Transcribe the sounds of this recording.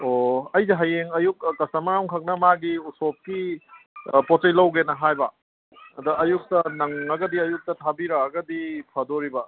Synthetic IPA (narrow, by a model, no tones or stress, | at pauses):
oɐjzeɦɐjeŋɐjuk̚kɐsɐmɐɾaŋkʰɐk̚nɐmaɡiusop̚ki | potejlɐwɡenɐɦajbɐ | ɐdɐʔɐjuk̚tɐnɐŋɐɡɐdiɐjuk̚tɐtʰabiɾɐːɡɐdipʰɐdoɾibɐ